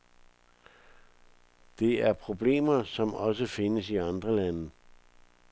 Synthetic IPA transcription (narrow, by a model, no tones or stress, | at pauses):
d̥e̝æɐpʰʁo̝b̥le̝̰ːmɐsɒ̽mɒ̽səfe̝nəsiɑ̈nd̥ʁɐlænə